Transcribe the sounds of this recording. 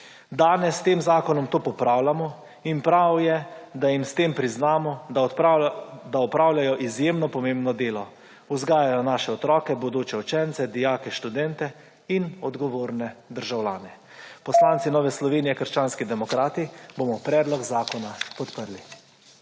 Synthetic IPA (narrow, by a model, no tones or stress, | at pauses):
d̪aːnɛst̪eːmzaːkɔnɔmt̪oːpɔpɾaːwlamɔ | inpɾawjɛd̪ajimst̪eːmpɾiznaːmɔ | d̪aɔpɾaːwlʲjajɔʔizjeːmnɔpɔmeːmbnɔd̪eːlɔ | uzɡaːjajɔnaːʃɛɔt̪ɾɔːkɛbɔd̪oːt͡ʃɛut͡ʃɛnt̪sɛd̪ijaːkɛʃt̪ud̪ɛnt̪ɛ | inɔd̪ɡɔʋoːɾnɛd̪əɾʒawlʲaːnɛ | pɔslaːnt̪sinɔːʋɛslɔʋeːnijɛkəɾʃt͡ʃaːnskid̪ɛmɔkɾaːt̪iboːmɔpɾɛːd̪lɔɡzaːkɔnapɔt̪pəɾli